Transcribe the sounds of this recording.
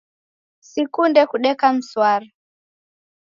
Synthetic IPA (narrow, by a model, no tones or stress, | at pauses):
sikundɛkuɗɛkam̩swaɾa